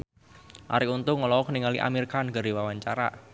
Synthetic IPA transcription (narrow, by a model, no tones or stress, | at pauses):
ʔa̰ɾiunt̪ʊŋɔlɔwɔkəniŋaliʔa̰miɾikanɡaɾiwawaɲt͡ʃaɾa̰